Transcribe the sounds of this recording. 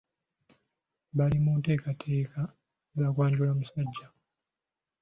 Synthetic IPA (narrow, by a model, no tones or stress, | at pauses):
βalimuːnte̞ːkatʰe̞ːka | zaːkwaːɲɟulamusaɟːa